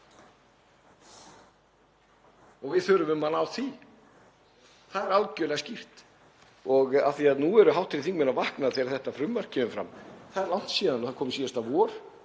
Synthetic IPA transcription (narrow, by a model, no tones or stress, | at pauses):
ɔɣvɪðθœːɾʏmʏmanawθi | θaðɛɾalcœːlɛɣascir̥t̪ | ɔɣaθiaðnuɛɾʏɦawt̪ʰːɪlθiŋkmɛnavahknaðθɛːɾaɾθɛht̪afɾʏmvar̥cʰːɛːmʏfɾa̰mθaðɛɾlawn̥t̪sjɛːðanɔθaɾkʰɔːmʏsiːst̪avɔːɾ̥